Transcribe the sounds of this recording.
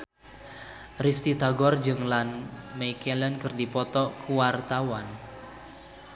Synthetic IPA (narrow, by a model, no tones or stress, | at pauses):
rist̪it̪aɡɔrd͡ʒɨŋlanmɛjkɛlɛnkɨrdipɔt̪ɔkuwart̪awan